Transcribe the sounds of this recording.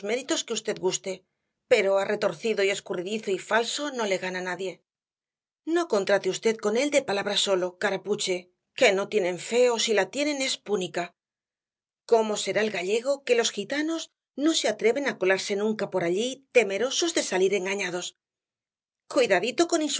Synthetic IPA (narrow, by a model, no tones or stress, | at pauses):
zme̞ɾit̪o̞skeust̪e̞ðɡust̪e̞ | pe̞ɾo̞arʔe̞t̪o̞ɾθiðo̞ie̞skuriðiθo̞ifalso̞no̞le̞ɣananaðje̞ | no̞ko̞nt̪ɾat̪eust̪e̞ðko̞ne̞ld̪e̞palaβɾaso̞lo̞kaɾaput͡ʃe̞ | ke̞no̞t̪je̞nẽ̞ɱfe̞o̞silat̪je̞nẽ̞ne̞spunika | ko̞mo̞se̞ɾaelɣaʎe̞ɣ̞o̞ke̞lo̞sxit̪ano̞z | no̞seat̪ɾe̞βe̞nakolaɾse̞nũŋkapo̞ɾaʎit̪e̞me̞ɾo̞so̞zðe̞saliɾe̞ŋɡaɲaðo̞s | kwujðaðit̪o̞ko̞nins